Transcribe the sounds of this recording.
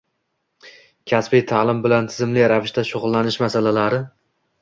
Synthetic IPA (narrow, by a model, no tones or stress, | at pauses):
kʲʰasbɪjt̪ʰalˠɪmbɪlant̪ʰɪzɪmlɪɾavɪʃt̪aʃʊʁʊlˠːanɪʃmasalalaɾɪ